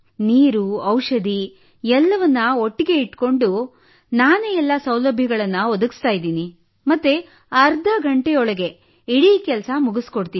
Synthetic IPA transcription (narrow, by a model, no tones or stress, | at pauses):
niːɾuɐwʂɐd̪ʱi | ɛlːɐʋɐnːɐoʈːiɡe̞iʈko̞ɳɖu | naːneɛlːɐsɐwlɐbʱjɐɡɐɭɐnːɐɔd̪ɐɡst̪aːjid̪iːni | mɐt̪ːe | ɐɾd̪ʱɐɡʱɐɳʈejɔɭɐɡe̞ | iɽiːkɛlɐsɐmuɡuskoɽt̪iːi